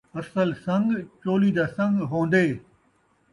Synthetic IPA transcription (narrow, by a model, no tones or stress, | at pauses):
ɐsəlsɐ̃ŋɡt͡ɕoːlid̪aːsɐ̃ŋɡɦõːnd̪eː